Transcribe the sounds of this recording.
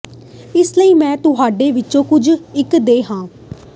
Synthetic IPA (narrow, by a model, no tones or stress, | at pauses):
ɪsləiːmɛ̃ːt̪ʊɦaːɖeːʋɪtːt͡ʃõːkʊd͡ʒɪkd̪eːɦãː